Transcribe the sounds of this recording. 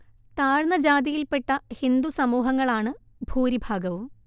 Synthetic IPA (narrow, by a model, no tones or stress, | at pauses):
t̪aːɻnɐd͡ʑaːd̪ijilpeʈːɐhind̪usɐmuːɦɐŋːɐɭaːɳɨ | bʱuːɾibʱaːɡɐʋum